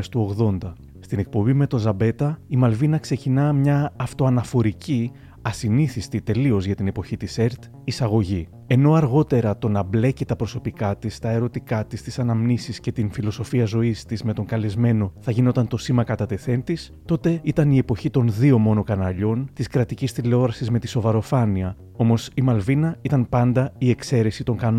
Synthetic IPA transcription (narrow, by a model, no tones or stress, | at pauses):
st̪uo̞ɣðo̞nd̪ɐ | st̪ine̞k̚po̞bime̞t̪o̞nzɐbe̞t̪ɐimɐlvinɐkse̞cinɐmɲɐːft̪o̞ɐnɐfo̞ɾici | ɐsiniθist̪it̪e̞lio̞zʝɐt̪ine̞po̞çit̪ise̞ɾt̪ | isɐɣo̞ʝi | e̞no̞ɐɾɣo̞t̪e̞ɾɐt̪o̞nɐble̞cit̪ɐpɾo̞so̞pikɐt̪ist̪ɐe̞ɾo̞t̪ikɐt̪ist̪i̥sɐnɐmnisisce̞t̪infilo̞so̞fiɐzo̞ist̪izme̞t̪o̞ŋkɐle̞zme̞no̞θɐʝino̞t̪ɐnt̪o̞simɐkɐt̪ɐt̪e̞θe̞nt̪is | t̪o̞t̪e̞it̪ɐnie̞po̞çit̪o̞nðio̞mo̞no̞kɐnɐʎo̞nt̪iskɾɐt̪icist̪ile̞o̞ɾɐsizme̞t̪iso̞vɐɾo̞fɐniɐ | o̞mo̞simɐlvinɐit̪ɐnpɐnd̪ɐie̞kse̞ɾe̞sit̪o̞ŋkɐn